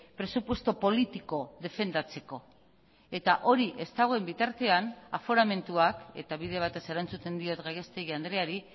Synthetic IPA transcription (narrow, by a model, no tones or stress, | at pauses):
pɾe̞supwe̞st̪opo̞lit̪iko̞ðe̞fe̞nd̪at͡se̞ko̞ | e̞t̪aʔo̞ɾiʔe̞st̪aɣ̞oembit̪aɾt̪e̞anafo̞ɾame̞nt̪uake̞̰t̪aβiðe̞β̞at̪e̞se̞ɾant͡sut̪e̞nd̪io̞t̪ɣajɣe̞st̪eɣiand̪ɾeaɾi